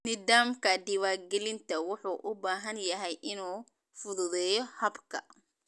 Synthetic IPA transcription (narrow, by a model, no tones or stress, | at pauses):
nɪðaːmkʰɐd̪ɪwaːrɡɛlɪnt̪ʰɐwʊħuːʔʊbaːɦɐnjɐɦɛjʔɪnuː | fʊðʊðɛːjɔhɐbkʰɐ